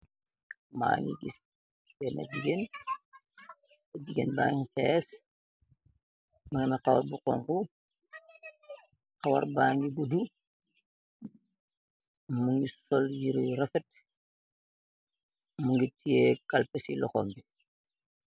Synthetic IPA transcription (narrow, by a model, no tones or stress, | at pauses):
ma̰ːŋɡḭɡis | bɛnɐ̰ɟiɡen | ɐd͡ʒiɡenba̰ŋxɛːs | mɐŋinɐxawaɾbuqɔ̰ŋku | xawɐ̰ɾbaːŋɡibudu | muŋɡisɔljiɾiɾɐfɛt̚ | muŋɡitʰijekalpesilɔxɔːmbi